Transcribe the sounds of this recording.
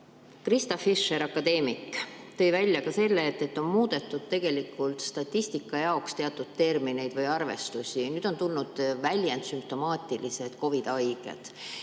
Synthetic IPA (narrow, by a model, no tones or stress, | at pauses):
krist̪ɑfiʃːeɾɑkːɑd̪e̞ːmikt̪ɤ̞jvælʲjɑkɑse̞lːeːt̪ːet̪ːo̞nmuːd̪e̞t̪ːˑud̪̥̚t̪ːe̞ɡ̥e̞likːˑult̪st̪ɑt̪ʲːˑist̪ikːˑɑjɑokst̪e̞ɑt̪ːˑud̪̥̚t̪e̞rmine̞jd̪̥vɯjɑrve̞̰st̪usʲinyːd̪̥o̞nt̪ulnud̪̥vælʲjent̪symp̚t̪o̞mɑːt̪ːˑilise̞d̪̥ko̞vid̪ɑjɡ̥e̞̰d̪̥